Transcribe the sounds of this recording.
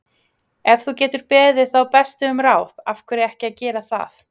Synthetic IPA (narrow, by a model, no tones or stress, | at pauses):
ɛvθucɛːt̪ʏɾ̥pɛːðɪðθawpɛst̪ʏʏmraːwðafkvʏɾɪɛhcɪaðcɛːɾaθa̰θ